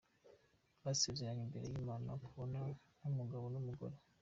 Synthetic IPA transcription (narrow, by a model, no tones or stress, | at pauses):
βasibzeɾaŋimbe̞ɾe̞jimaːna̰kuβo̞na | nhumuɡaβo̞numuɡo̞̰ɾe